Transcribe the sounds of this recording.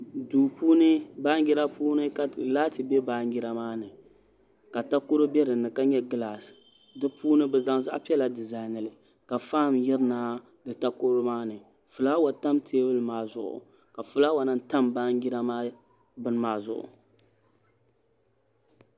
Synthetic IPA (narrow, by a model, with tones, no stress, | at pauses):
duː˨puː˦nɨ˦baː˦ŋ˦ɡi˦ɾa˦puː˦nɨ˦ka˨laː˦tɨ˨bɛ˦baː˦ŋ˦ɡɪ˦ɾa˦maː˦nɨ˨ | ka˨ta˦ko˦ɾo˦bɛ˦ɾɨ˨nːɨ˨ka˦ɲɛ˦ɡɨ˦la˨s | dɨ˦puː˦nɨ˦bɛ˨za˦ŋza̰˦ʔpi˦ɛ˦la˨dɨ˨za˨nɨ˨lɨ˨ | ka˨faː˦˨mjɛ˦ɾɨ˦naː˦ | dɨ˨ta˦ko˦ɾo˦maː˦nɨ˨ | fu˨la˦wa˨ta˦mtʰeː˦bɨ˦lɨ˨maː˦zʊ˦ʔʊ̰˨ | ka˨fʊ˦laː˦wa˨nɨ˦n˦ta˦mba˦ŋɡɪ˦ɾa˦ma˦ | bɨ˦n˦maː˦zʊ̰˦˨ʔʊ̰˨